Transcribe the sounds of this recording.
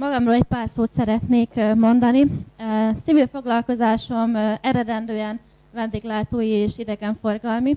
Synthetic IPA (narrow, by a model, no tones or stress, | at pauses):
mɒɡɒmroːlɛc̚paːrsoːt̪sɛɾɛt̪neːkmo̞nd̪ɒni | t̪sivilfo̞ɡlɒlko̞zaːʃo̞mɛɾɛd̪ɛnd̪øːɛn | vɛnd̪eːɡlaːt̪oːjieːʃid̪ɛɡɛɱfo̞rɡɒlmi